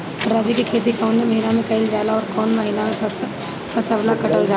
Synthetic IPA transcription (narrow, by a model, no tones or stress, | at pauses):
ɾːɐbikikʰeːt̪ikʰaːʊnmẽmɐɦɪnamẽkɐɪld͡ʒaːlaɔːɾkɔːnmɐɦɪnamẽ | pʰɐsablakɐʈəld͡ʒaː